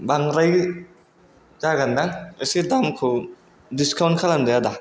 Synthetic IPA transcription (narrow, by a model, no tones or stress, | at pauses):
baŋɾaj | zaɡandaŋasidamkʰɯ | diskawntkʰalandɯjada